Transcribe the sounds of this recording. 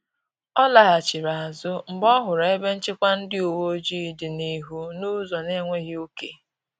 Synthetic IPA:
ɔ˦la˦˨ɦa˨t͡ʃɪ˨ɾa˨a˨zʊ˦m̩˨bɔ˦ɦʊ˨ɾe˨e˦be˦n̩˦t͡ʃɪ˦kʷa˦n̩˦dɪ˦u˨wo˦d͡ʒi˦˨dɪ˨ni˦ɦu˦nu˦zɔ˨ne˦ŋʷe˦ɣɪ˦o˦ke˨

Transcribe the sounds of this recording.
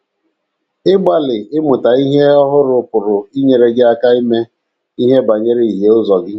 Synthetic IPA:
ɪ˦ɡ͡ba˦lɪ˨ɪ˦mʊ˨ta˨i˦ɦe˦ɔ˦ɦʊ˦ɾʊ˨pʊ˨ɾʊ˨i˦ɲe˨ɾe˨ɡɪ˦a˦ka˦i˦me˦ | i˦ɦe˦ba˨ɲe˦ɾe˦i˨ɦe˨˦ʊ˦zɔ˨ɡɪ˦

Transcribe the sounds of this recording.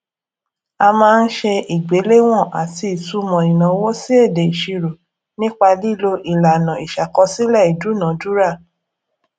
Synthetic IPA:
a˧mãː˦˧n̩˦ʃe˧i˨ɡ͡be˨˦le˦w̃ɔ̃˦˨ʔa˨ti˧i˨tu˧˦mɔ̃˨i˨nã˨˦wo˦si˦e˦˨de˨i˨ʃi˧ɾo˨ | nĩ˦k͡pa˧li˦lo˧ʔi˨la˨nã˨i˨ʃa˨kɔ˧si˦lɛ˦˨i˨du˨˦nã˨˦du˦ɾa˦˨

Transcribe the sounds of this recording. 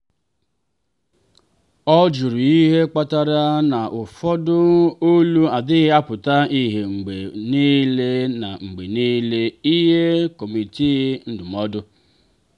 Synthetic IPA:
ɔ˦d͡ʒu˨ɾu˨i˦ɦe˦k͡pa˦ta˦ɾa˦na˨ʔʊ˨fɔ˦dʊ˦o˦lu˦a˨dɪ˦ɣɪ˦a˦pʊ˨ta˦i˦ɦe˨ŋ͡m̩˨ɡ͡be˨ni˦le˦na˨ŋ͡m̩˨ɡ͡be˨ni˦le˦i˦ɦe˦ko˨mi˨ti˦n̩˦dʊ˨m˨ɔ˦dʊ˦

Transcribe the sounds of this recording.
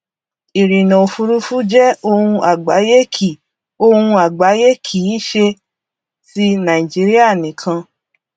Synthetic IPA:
i˨ɾi˨nã˨o˨fu˧ɾu˧fu˦d͡ʒɛ˦o˧hũ˧a˨ɡ͡ba˨˦je˦kʰi˨ | o˧hũ˧a˨ɡ͡ba˨˦je˦kʰi˨˦ʃe˧ | si˧˦nã˨i˨d͡ʒi˨˦ɾi˦a˦˨nĩ˨kʰã˧

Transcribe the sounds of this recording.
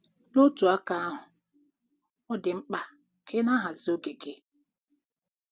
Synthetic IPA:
no˦tu˨a˦ka˦a˦ɦʊ˨ | ɔ˦dɪ˨ŋ͡m̩˦k͡pa˦ | kʰɪ˦na˦ɦa˨zo˦ɡe˨ɡe˦

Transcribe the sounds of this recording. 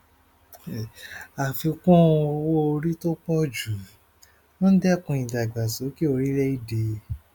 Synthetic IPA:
a˨fi˧kɔ̃˦˧o˧wo˦o˧ɾi˦to˦k͡pɔ˦d͡ʒu˨ | wɔ̃˦n̩˦dɛ˦˨kũ˧ĩ˨da˨ɡ͡ba˨so˨˦ki˦o˧ɾi˦ɾɛ˦i˦de˧

